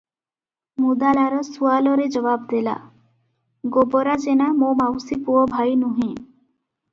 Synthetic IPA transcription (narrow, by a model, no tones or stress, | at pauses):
mud̪alaɾɔsualɔɾed͡ʑɔbabd̪ela̰ | ɡobɔɾad͡ʒenamomawsipuɔbʱajnuɦĩ